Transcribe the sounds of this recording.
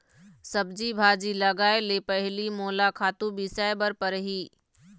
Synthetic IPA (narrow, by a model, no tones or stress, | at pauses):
sɐbd͡ʒibʱaːd͡ʑilɐɡaːeleːpɐɦɪlimoːlakʰaːt̪ubisaːbəɾpɐɾɦiː